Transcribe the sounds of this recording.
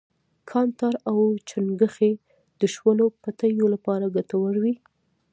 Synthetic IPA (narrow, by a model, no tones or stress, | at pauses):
kʰɑnt̪ɑɾawt͡ʃanɡəxe | d̪̥əʃwəlopat̪əjolapɑɾaɡat̪awəɽwi